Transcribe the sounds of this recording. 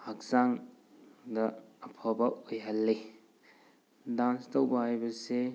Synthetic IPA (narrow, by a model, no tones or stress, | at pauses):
hak̚zaŋ | dɐːpʰabaojɦɐlːe | danstowbaajbɐse